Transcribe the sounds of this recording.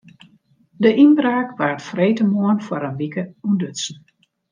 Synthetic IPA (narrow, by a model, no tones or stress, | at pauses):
dəʔinbraːkʋartfreːtəmoənfwəɾənʋikəundøtsn̩